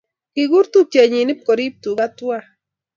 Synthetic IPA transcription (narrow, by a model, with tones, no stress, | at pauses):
kiɣu˦ɾt̪u˦t͡ʃe˨ɲi˨ni˦p̚ko˨ɾi˦p̚t̪u˨ɡat̪wa